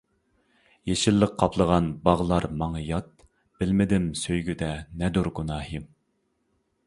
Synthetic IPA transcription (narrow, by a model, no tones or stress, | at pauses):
jeʃɪlːəqqʰːɑpʰlˠəʁɑnbɑʁlˠɑɾmɑŋɨjɑt̪̚ | b̥ɪlmɪd̪ɪmsøjɡʲyd̪ɛnɛd̪uɾɡunɑːhim